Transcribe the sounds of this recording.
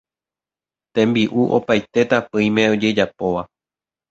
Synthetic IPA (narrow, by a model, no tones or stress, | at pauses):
t̪ẽ̞mbiʔuʔo̞̰pajt̪e̞t̪apɨ̃j̃mẽ̞o̞d͡ʒe̞d͡ʒapo̞ʋa